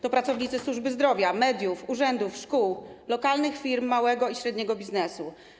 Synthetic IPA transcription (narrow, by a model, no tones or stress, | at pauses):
t̪ɔpɾat̪sɔvɲit̪sɘswuʐbɘzd̪ɾɔvʲjamɛd̪ʲjufuʐɛnd̪ufʂkuwlɔkalnɘxfʲiɾmːawɛɡɔiɕɾɛd̪ɲɛɡɔbʲiznɛsu